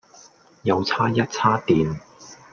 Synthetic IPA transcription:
jɐ˨˧wt͡sʰaː˥jɐ˥t̚t͡sʰaː˥t̪iː˨n

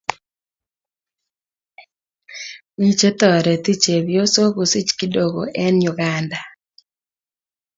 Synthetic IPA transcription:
mi˦t͡ʃe˦t̪ɔ˨ɾɛ˨t̪i˦t͡ʃe˨bjo˦so˦ku˨si˦t͡ʃki˦do˨ɡo̰˨ʔɛ˦njʊ˨ɡanda˨

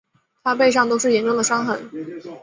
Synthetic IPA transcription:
t̪ʰa˥pe˥˧ɪʂ̬ɑ˥˩ŋt̪o˥ʊʂɻ̩˥˩jɛ˧˥nʈ͡ʂʊ˥ŋd̪ə˩ʂɑ˥ŋxə˧˩˥n

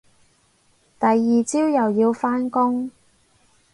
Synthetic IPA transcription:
t̪ɐ˨jːiː˨t͡siː˥wjɐ˨wjiː˧wfaː˥nkʊ˥ŋ

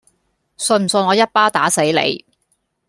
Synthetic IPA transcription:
sɵ˧nm̩˨˩sɵ˧nɔː˨˧jɐ˥t̚paː˥t̪aː˨˥se˨˥jlḛ˨˧j

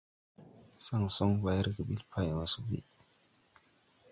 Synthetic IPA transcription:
sa˦˨ŋsɔ˦ŋba˨jɾɡə˨bi˦lpʰa˦ja˨wa˨su˦bḭ˨

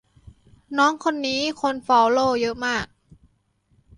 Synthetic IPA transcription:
nɔː˦˥ŋkʰo˧nːiː˦˥kʰo˧nfɔː˧˩wloː˥˩jɤ˦˥ʔmaː˥˩k̚

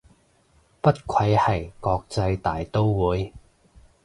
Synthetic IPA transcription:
pɐ˥t̚kʰɐ˧jhɐ˨˩jkɔː˧k̚t͡sɐ˧jt̪aː˨˩jt̪o˥wwuː˨˧j

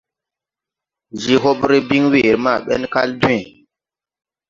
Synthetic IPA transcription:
ʒi˨ɦo˦ɓɾi˦bi˦ŋwe˨ɾma˦˨ɓɛ̰˦nka˦ldu˦e˨

